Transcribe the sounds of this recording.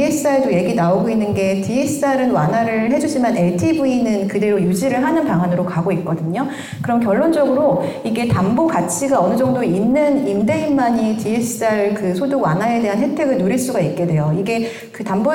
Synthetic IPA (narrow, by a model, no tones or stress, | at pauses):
esʰsaɭdoje̞ɡinaoɡoinːɯnɡe̞tiesʰsaɾɯnwa̰nɦaɾɯɭɦe̞d͡ʑuɕʰimane̞ɭtʰibuinɯnkɯde̞ɾojud͡ʑiɾɯɭɦanɯnpaŋɦanɯɾokaɡoit̚k͈ʌdɯɲo | kɯɾʌmkjʌɭːond͡ʑʌɡɯɾoiɡe̞tamboɡat͡ɕʰiɡaʌnɯd͡ʑʌŋdoinːɯnimde̞immaɲitiesʰɯ̥s͈aɭkɯsʰoduɡwa̰nɦae̞de̞ɦanɦe̞tʰe̞ɡɯɭnoɾiɭs͈uɡait̚k͈e̞de̞joiɡe̞ | kɯtambo